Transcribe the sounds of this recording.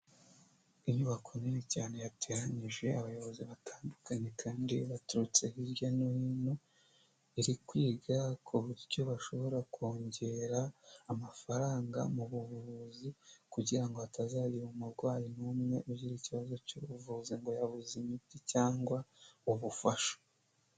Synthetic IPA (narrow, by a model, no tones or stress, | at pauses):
iɲɲuβakʰoninicaːne̞jatʰeɾaɲiʒe̞aβajo̞βo̞ziβatʰaːndukaɲe̞kʰaːndiβatuɾut͡se̞hiɾjonuhino | iɾikwiːɡakʰuβuɾjo̞βaʃo̞βo̞ɾakʰoːɲɟe̞ɾaːmafaɾaːŋɡa̰muβuβuuzikuɟiɾaŋɡoatazaːɾiβumuɾɡwaːjinumŋe̞ʔubɟiɾiciβazo̞cuβuvuziŋɡo̞jaβuzimiticaːŋɡwauβufaʃo̥